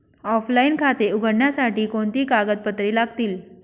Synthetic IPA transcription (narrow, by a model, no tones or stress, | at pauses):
ɔflainkʰat̪euɡʱəɽɳjasaʈiːkoɳt̪iːkaɡət̪̚pət̪ɾiːlaɡt̪iːl